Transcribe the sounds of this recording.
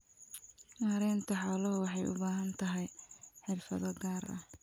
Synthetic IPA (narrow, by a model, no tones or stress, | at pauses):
mɐɾɛːnt̪ʰɐħɔːlɐʊwɑħɑjʔʊ̰baːɦɐnt̪ʰɐɦɛjħɪrfɐðɐɡaːɾɐ̰h